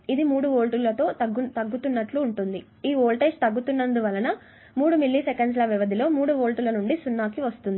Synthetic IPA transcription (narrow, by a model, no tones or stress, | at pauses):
id̪imuːɽuʋoːlʈulːɐt̪o̞ːtɐɡut̪ɐɡːut̪unːɐʈluːɳʈund̪i | iːoːlʈeːst̪ɐɡːut̪unːɐnd̪uʋɐlɐnɐ | muːɽumilːisekɐɳɖs̬lɐʋiʋɐd̪ʱilo̞ːmuːɽuʋoːlʈulɐnuɳɖisunːaːkiʋɐst̪und̪i